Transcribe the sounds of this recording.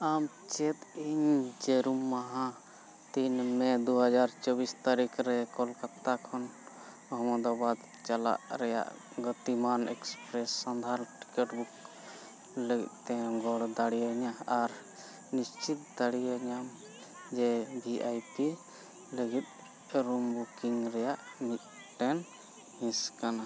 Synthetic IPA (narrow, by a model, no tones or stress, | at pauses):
amt͡ʃɛt̪iɲd͡ʒɛɾumːaɦã | t̪inmɛ̃d̪uɦəd͡ʒaɾt͡ʃɔbist̪aɾikʰɾɛkɔlkat̪ːakʰɔn | ɔɦmɔd̪abad̪ | t͡ʃala̰ʔɾɛja̰ʔ | ɡɔt̪imanɛkspɾɛsːand̪ʱaɾʈi̥keʈbuk | ləɡḭt̪̚t̪ɛ̃ɡɔɽd̪aɽiaɲaaɾ | nist͡ʃit̪̚d̪aɽiaɲam | d͡ʒɛbiʔajpi | ləɡit̪̚ | ɾumbukiŋɾɛjaʔmit̪ | ʈɛn | mĩskana